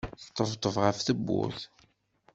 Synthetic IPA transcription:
θt̪ˤːəvt̪ˤːəvʁəfθəbːṵθ

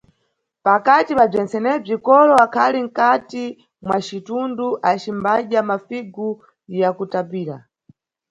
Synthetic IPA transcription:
pakatipab͡ʐɛnt͡sɛnɛb͡ʐikɔɾɔakʰaliŋ̩kati | mwat͡ʃitunduʔat͡ʃimbaʄamafiɡu | jakutapiːɾa̰

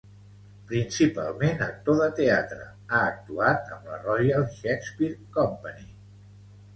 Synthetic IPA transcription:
pɾinsipa̰lˠmenək̚t̪oðət̪eat̪ɾə̰ | aək̚t̪uat̪əmlə̰rɔjəlˠʃɛkspiɾkɔmpəni

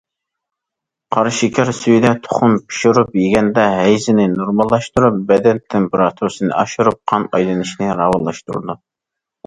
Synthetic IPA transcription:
qʰɑɾʃikʲʰɛɾsyjd̪ɛt̪ʰo̥χʊnpʰi̥ʃuɾupjiɡʲɛnd̪ɛɦɛjzɪnɪnuɾmɑlˠːɑʃt̪uɾup̚bɛd̪ɛnt̪ʰɪmpeɾɑt̪ʰuɾɨsɨnɨ̰ʔɑʃuɾup̚qʰɑnɑjlˠɨnɪʃnɪɾɑwɑlˠːɑ̰ʃt̪ṵɾd̪u

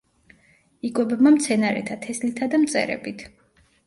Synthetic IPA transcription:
ikʼɔbɛbmamt̪sʰɛnaɾɛ̰t̪ʰat̪ʰɛslit̪ʰad̪amt̪sʼɛ̰ɾɛ̰bit̪ʰ

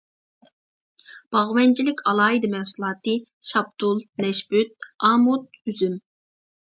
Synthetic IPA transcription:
b̥ɑʁwɛnt͡ʃʰilɪkʲʰɑlˠɑːɦid̪ɨmɛhsulˠɑːt̪ɨʃɑb̚t̪ulˠnɛʃbyt̪̚ɑːmʊt̪̚yzym

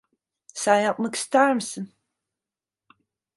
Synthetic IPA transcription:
saːjaʔʼmɨkst̪ʰaːrɨmsɨn

